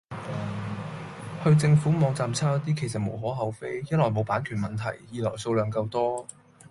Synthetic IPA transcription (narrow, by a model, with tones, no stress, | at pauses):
hɵ˧ɥt͡sɪ˧ŋfuː˨˥mɔː˨˧ŋt͡saː˧mt͡sʰaː˥ɐ˨˥t̪̬iː˥kʰe˨˩js̬ɐ˨t̚mo˨˩wɦɔː˨˥ɦɐ˨˥wfe˥jjɐ˥lɔː˨jmo˨˧wpaː˨˥nkʰyː˨˩nmɐ˨˩nt̪ʰɐ̰˨˩jːiː˧lɔː˨˩jso˧wlœː˨˧ŋkɐ˧wt̪ɔː˥